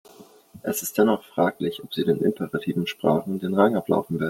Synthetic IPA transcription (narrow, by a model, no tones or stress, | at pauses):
ʔɛsɪstd̥ɛnɔχfʁ̥aːklɪçɔpz̥iːdeːnʔɪ̰mpʰəʁatʰiːvn̩ʃpʁ̥a̰ːχn̩deːnʁaŋʔapla̰ʊfn̩vɛːɐdn̩